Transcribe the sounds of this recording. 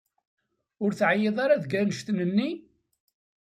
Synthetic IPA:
ʊɾθʕajeðˤɑɾaðɡænəʃt̪nənːi

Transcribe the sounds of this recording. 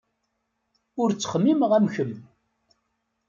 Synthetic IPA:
ʊɾt͡sːə̥χmːimʁæmçəm

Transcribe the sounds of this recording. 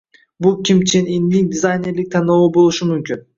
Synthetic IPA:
bulˠkʲimt͡ʃʰininːiŋd̪ʲizajnʲeɾlʲik̚t̪ʰanouːbolˠuʃumymkʲyn

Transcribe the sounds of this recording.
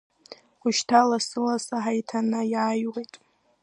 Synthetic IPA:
kʷʊʃtʰalasɨlasaɦajtʰanajaːjʁejtʼ

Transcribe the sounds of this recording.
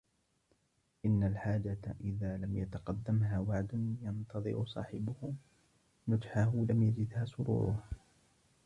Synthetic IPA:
ʔɪnːalħaːd͡ʒat̪aʔɪðaːlamjat̪ɑqɑd̪ːamɦaːwaʕd̪ʊnjɑnt̪ɑðˤɨ̰ɾʊsˤɑ̰ːħɪbʊh | nʊd͡ʒħahʊlamjad͡ʒɪd̪haːsʊɾṵːɾʊ̰ha

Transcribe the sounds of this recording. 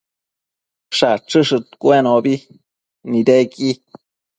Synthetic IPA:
ʂaʈ͡ʂɨʂɨt̪kʷenobi | nĩd̪eki

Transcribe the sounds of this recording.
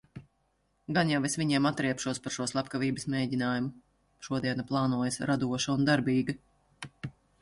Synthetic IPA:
ɡanjawesʋʲiɲiɛmat̪ːɾiɛpʃuɔspaɾʃuɔslˠapkaviːbɨsmeːɟʲinaːjumu | ʃuɔd̪iɛnaplˠɑːnuɔjɐsɾad̪uɔʃaund̪aɾbʲiːɡɐ

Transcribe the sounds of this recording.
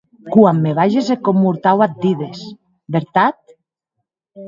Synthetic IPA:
kwamːeβ̞aʒesekomːuɾt̪awat̪̚d̪iðes | beɾt̪at̪̚

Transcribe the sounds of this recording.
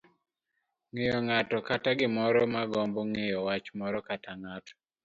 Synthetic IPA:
ŋɪjɔŋatɔkataɡɪmɔɾɔmaɡɔmboŋɪjɔwat͡ʃmɔɾɔkatʰaŋatɔ̥

